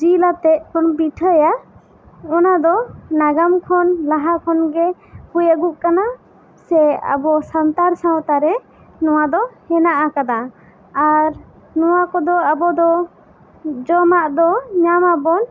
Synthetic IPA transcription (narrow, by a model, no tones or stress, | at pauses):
d͡ʒilat̪ɛʔ̚kʰɔnbiʈʰəja | ɔnad̪ɔnaɡamkʰɔnlaɦakʰɔnɡɛkujaɡuʔ̚kana | sɛa̰bɔsant̪aɾsãwt̪aɾɛ | nɔwad̪ɔhɛnaʔakad̪aː | ɾ | nɔwakɔd̪ɔabɔd̪ɔ | d͡ʒɔmaʔd̪ɔɲamabɔn